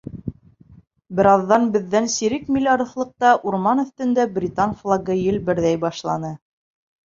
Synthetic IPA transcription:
bɘ̆ɾɑðːɑnbɘ̆ðːænsiɾɘkmʲilʲɑɾɤ̆θlˠɤ̆q̚t̪ɑʔuɾmɑnɵ̆θt̪ɵ̆nd̪æbrʲit̪ɑnflˠɑɡɤjɘlbɘ̆ɾðæjbɑʃlˠɑnɤ

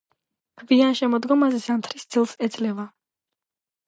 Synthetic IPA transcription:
kʰvianʃɛmɔd̪ɡɔmazɛsamt̪ʰɾisd̪zilˠsɛd̪zlɛva

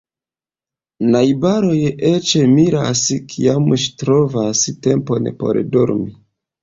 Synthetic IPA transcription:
najbaɾo̞jet͡ʃemiɾa̰skʰiamʃtɾo̞vastempo̞npo̞̰ɾdoɾmi

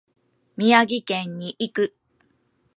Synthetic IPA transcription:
mʲiaɡʲikẽ̞ɲ̟ːiʔikɯ̟

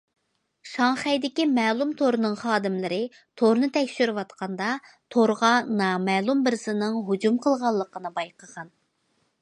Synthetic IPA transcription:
ʃɑŋχɛjd̪ɪkʲimɛːlˠumt̪ʰoɾnɨŋχɑːd̪ɪmlɪɾɪ | t̪ʰoɾnɨt̪ʰɛkʲʃyɾɪwɑt̪qʰɑnd̪ɑ | t̪ʰoɾʁɑnɑːmɛːlˠumbɪɾsɪnɨŋɦud͡ʒumqʰəlˠʁɑlˠːəqʰənɨbɑjqʰəʁɑn

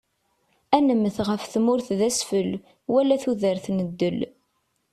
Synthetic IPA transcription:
ænəməθʁəfθmʊɾθðæsfəl | wælæθuðəɾθnəd̪ːəl

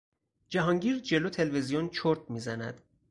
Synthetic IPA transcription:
d͡ʒæɦɒŋɟiːɾd͡ʒe̞loːt̪ʰe̞lvezijont͡ʃʰoɾt̪̚ʰmiːzænæd̪̥

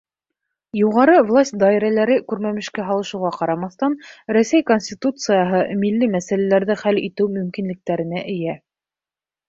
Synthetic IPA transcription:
juʁɑɾɤvlˠasʲt̪̚ʲd̪ɑiɾælæɾɘkʉɾmæmɘ̆ʃkæɦɑlˠɤ̆ʃɤ̆wʁɑqɑɾɑmɑθt̪ɑnɾæsæjkonʲsʲtʲit̪ut̪sɨjɑɦɤmilːɘmæsælælæɾðɘχælit̪ɘwmɵ̆mkinlɘ̆k̚t̪æɾɘ̆næʔɘ̆jæ

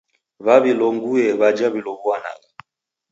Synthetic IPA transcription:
βaβilɔŋɡuɛβad͡ʒaβilɔβuana̰ɣa

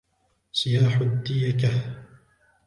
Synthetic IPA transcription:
sɪjaːħʊd̪ːɪjakah

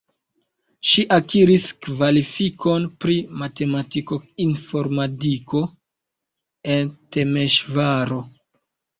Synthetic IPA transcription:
ʃiʔakiɾiskvalifiko̞npɾimate̞matiko̞info̞ɾmatiko̞ | e̞nte̞meʃvaɾo̞

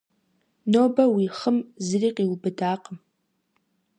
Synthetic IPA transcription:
nobɐwiχəmzriqʼilbɨdaːqʼəm

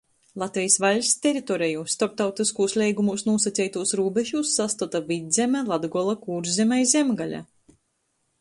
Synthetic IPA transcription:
lˠat̪vʲɛjsvalʲst̪ʲɛɾit̪ɔɾɛjust̪ɔɾp̚t̪awt̪iskuːslʲɛjɡumusnuɔsat̪sʲɛjt̪uɔsɾuːbeʒuːsːast̪ut̪avʲid̪zʲɛmʲælˠad̪ɡɔlˠakuːɾzzʲemʲajzʲɛmɡalʲa̰

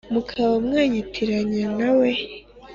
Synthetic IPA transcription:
mukʰaβamŋaːɲitʰiɾaɲanawe

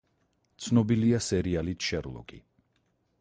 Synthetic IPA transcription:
t̪sʰnɔbiliasɛɾialit̪ʰʃɛɾlˠɔ̰kʼḭ

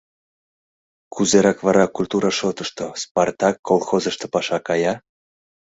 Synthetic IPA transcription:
kuzeɾɑkβɑɾɑkulʲt̪uɾɑʃot̪əʃt̪osport̪ɑkːolˠxozəʃt̪opɑʃɑkɑjɑ

